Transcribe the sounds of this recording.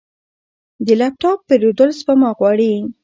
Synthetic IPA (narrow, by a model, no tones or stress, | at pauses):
d̪əlap̚ʈɑpːeɾod̪əlsbamɑɣwɑɽi